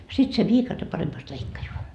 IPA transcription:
sit se ʋiːkɑte pɑremːɑst leikːɑjoɑ

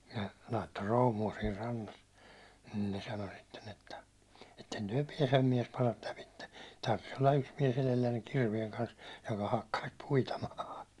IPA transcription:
nə lɑitːo roːmuɑ siːr rɑnːɑs nin ne sɑno sitːen etːæ etːen tyæ̹ piɛsem miɛspɑrɑt læpitːe tɑrʋis olːɑ yks miɛs elelːænːeŋ kirʋieŋ kɑns jokɑ hɑkːɑis puitɑ mɑːhɑ

